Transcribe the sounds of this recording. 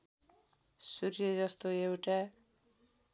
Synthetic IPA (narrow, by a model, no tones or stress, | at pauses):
suɾjʌd͡zʌst̪oewʈa